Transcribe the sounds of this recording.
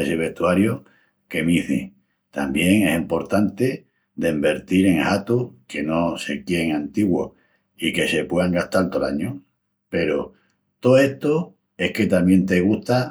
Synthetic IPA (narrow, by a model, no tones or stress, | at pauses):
eseβe̞ht̪uaɾjo | ke̞miθḭ | t̪a̰mbje̞ŋe̞simpo̞ɾt̪ant̪e̞ | d̪e̞mbe̞ɾt̪iɾe̞ŋhat̪uke̞no̞se̞kje̞ŋant̪iɣwo̰ | ike̞se̞pwe̞aŋɡaht̪alt̪olaɲo | pe̞ɾo̰ | t̪o̞e̞ht̪o | e̞hke̞t̪amje̞nt̪e̞ɣ̞uht̪a